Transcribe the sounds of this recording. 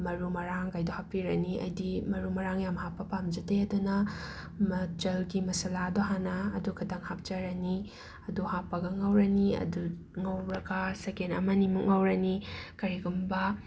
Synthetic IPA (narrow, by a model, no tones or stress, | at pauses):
mɐɾumɐɾaŋkajdohapːiɾɐniʔɐ̰jdimɐɾumɐɾaŋjamhapːɐpamd͡ʒɐteɐdunɐ | mɐt͡ʃɐlɡimɐsɐladoɦanɐːdukʰɐdɐŋhap̚d͡ʒɐɾɐni | ɐduhapːɐɡɐŋɐwɾɐniɐ̰du | ŋɐwɾɐɡɐsekenɐ̰mɐnimuŋɐwɾɐnikɐɾiɡumbɐ